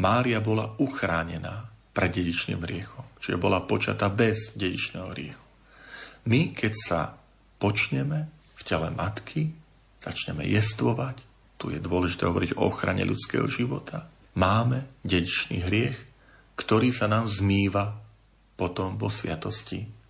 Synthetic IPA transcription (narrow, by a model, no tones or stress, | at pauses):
maːɾiabɔlauxɾaːɲɛnaːpɾɛd̪ɟɛɟit͡ʃnḭːmɦɾɪɛxɔmt͡ʃiʒɛbɔlapɔt͡ʃa̰t̪abɛzɟɛɟḭt͡ʃnɛ̰ːɦɔ̰ɦɾɪɛxu̥ | mikɛcsa̰ | pɔt͡ʃɲɛmɛ | fcɛlɛmat̪kʰi | z̥a̰t͡ʃɲɛmɛ̰jɛst̪ʋɔʋac | t̪ujɛ̰d̪ʊɔlɛʒi̥t̪ɛːɦɔʋɔɾiɟɔɔ̰xɾa̰ɲɛ̰ʎʔṵt͡skɛ̰ːɦɔ̰ʒiʋɔt̪ʰa | maːmɛɟɛɟit͡ʃnḭːɦɾɪɛx | kt̪ɔɾiːsanaːmzmiːʋa | pɔt̪ɔmvɔsʋɪat̪ɔsci